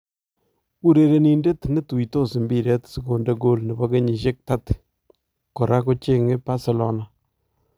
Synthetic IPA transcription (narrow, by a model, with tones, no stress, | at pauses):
u˦ɾe˨ɾe˨ni˨nde˦tne˦tu˨i˨to˦sɪ˨mbi˨ɾɛ˦tsɪ˨ko˨nde˦ɡo˦lnɛ˨bɔ˦ke˦ɲi˨ʃe˦k̚ta˦t | kɔ˨ɾa˦ko˦t͡ʃe˦ŋɪ˦pa˦se˨lo˦na˨